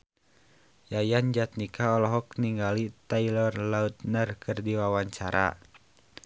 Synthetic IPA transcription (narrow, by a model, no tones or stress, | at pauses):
jajand͡ʒat̪̚nikʰaɔlɔɦɔkniŋɡalit̪ailɔrlaut̪̚nərkʰɨrdiwawaɲt͡ʃaɾa̰